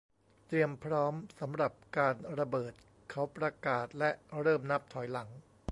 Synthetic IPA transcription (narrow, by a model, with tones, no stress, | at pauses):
t̪ɾi˧əmpʰɾɔː˦˥msa˩˦mɾa˨˩p̚kaː˧nɾa˧bɤː˨˩t̪̚ | kʰa˦˥wpɾa˧kaː˨˩t̪̚lɛ˦˥ʔɾɤː˥˩mna˦˥p̚t̪ʰɔ˩˦jla˩˦ŋ